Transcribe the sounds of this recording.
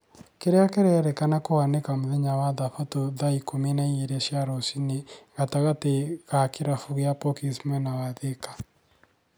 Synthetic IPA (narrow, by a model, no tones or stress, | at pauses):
keɾeakɛɾɛɾɛkanakoanekamoðeɲawaðafatoðaikomenaieɾeʃjaɾosineɣataɣateɣakeɾafuɣeapɔkismɛnawaðekḁ